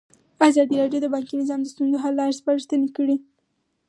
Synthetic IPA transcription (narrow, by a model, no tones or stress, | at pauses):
azɑd̪iɾɑɖjod̪əbɑŋkinɪzɑmd̪əst̪unzoɦalːɑɾspaɾʃt̪ənekəɽi